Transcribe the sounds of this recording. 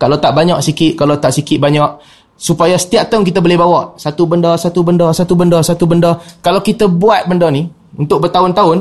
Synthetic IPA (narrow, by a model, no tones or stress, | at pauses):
kalat̪aʔbaɲaʔ̚sikɪʔ̪̚kalat̪aʔsikɪt̪ʔ̚baɲaʔ | supajasə̥t̪iaʔ̚t̪ank̬it̪əbolɪhbawaʔsat̪ubəndɔsat̪ubəndɔsat̪ubəndɔsat̪ubəndɔkalawkit̪əbuat̪̚bəndɔni | unt̪ʊk̚bərt̪aʊnt̪aʊn